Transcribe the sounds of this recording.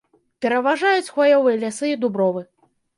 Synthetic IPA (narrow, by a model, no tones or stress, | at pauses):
pʲɛɾɐvaʐajut͡sʲxvɔjɔvɨjɛlʲasɨid̪ubɾɔvɨ